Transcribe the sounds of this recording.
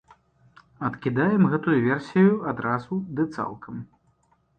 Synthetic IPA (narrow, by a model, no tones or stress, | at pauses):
ɐt̪kʲid̪ajɛmɣɛt̪ujuvʲɛrsʲijuad̪ɾazud̪ɨt̪sa̰lˠkʰɐm